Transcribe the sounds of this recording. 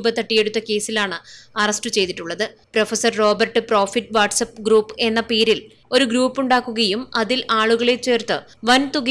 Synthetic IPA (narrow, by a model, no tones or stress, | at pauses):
bɐt̪ːɐʈːije̞ɽut̪ːɐke̞ːsilaːɳɨɐrɐsʈɨt͡ɕe̞jt̪iʈːuɭːɐðɨprofɐsɐrro̞ːbɐrʈɨpro̞ːfiʈːʋaːʈsɐp̚ːɡɾuːpːe̞nːɐpeːɾil | o̞ɾuɡɾuːpːuɳɖaːkːuɣɐjumɐðilʔaːɭuɣɐɭe̞t͡ɕːe̞ːrt̪ɨ | ʋɐnt̪uɣ